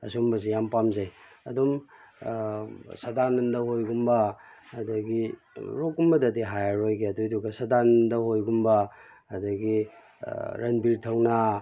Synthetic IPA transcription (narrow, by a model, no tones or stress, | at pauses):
ɐsumbɐs̬ijampamzejɐdum | sɐdanɐndɐhojɡumbɐː | dɐɡi | ɾok̚ɡumbɐdɐdiɦajaɾojɡeɐdujduɡɐsɐdanndɐhojɡumbɐ | ɐdɐɡi | ɾɐnbiɾtʰɐwnɐ